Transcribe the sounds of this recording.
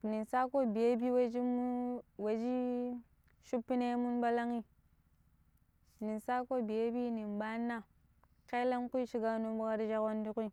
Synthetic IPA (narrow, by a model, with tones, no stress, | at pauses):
ni˨nsa˦ko˦bi˨je˦bi˦we˦d͡ʒi˦mu˦we˨d͡ʒi˦ | ʃu˦pːi˦ne˦mu˦nba˦la˦ŋi˦ | ni˨nsa˦ko˦bi˨je˦bi˦ni˨nba˦nːa˦ | ke˦la˦ŋku˦i˦ʃi˦ɡa˦nu˦bu˦ka˦ɾi˦d͡ʒa˦ko˦n˦di˦ku˦i˦˨